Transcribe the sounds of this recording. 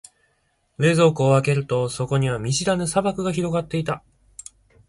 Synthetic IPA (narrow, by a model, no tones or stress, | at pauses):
e̞ːzo̞ːkɯːβake̞ɾɯ̟t̪o̞so̞ko̞ɲ̟iβamʲiɕiɾanɯsabakɯ̟ɡaçiɾo̞ɡat̪ːe̞it̪a